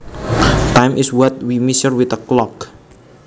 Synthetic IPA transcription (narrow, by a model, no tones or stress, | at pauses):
t̪ajmʔɪswɔt̪̚wimisərwɪθəklɔk